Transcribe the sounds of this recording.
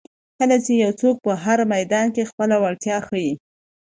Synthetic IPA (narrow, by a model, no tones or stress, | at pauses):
kəlat͡ʃejawt͡sok̚pəɦaɾmajd̪ɑnkexpəlawaɽt̪jɑxəji